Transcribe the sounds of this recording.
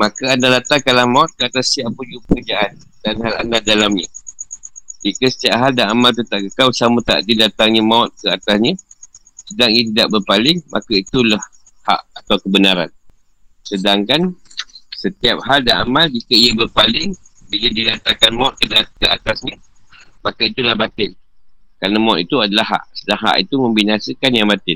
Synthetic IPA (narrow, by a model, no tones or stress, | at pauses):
makaandalat̪akalamaʊt̪̚kəat̪asiaʔpud͡ʒupəkəd͡ʒaʔan | danɦala̰ndadalamɲə | d͡ʒikəsə̥t̪iap̚ɦaldaamalt̪̬ut̪aʔkəkawsamət̪a̰ʔdidat̪aŋɲəmaʊt̪̚kəat̪asɲə | sədaŋiat̪̬idaʔbərpalɪŋmʔa̰kait̪ulah | ha̰ʔat̪awkəbənaɾa̰n | sədaŋkan | sət̪iap̚haldaʔamald͡ʒikaiabərpalɪŋ | biladidat̪aŋkanmaʊt̪̚kədakəat̪asɲa | makait̪ulahbat̪ɪnkɾanamãʊt̪it̪uadalahɦa̰ʔsədaŋɦa̰ʔḭt̪umə̃mbinasəkanjaŋmat̪ɪn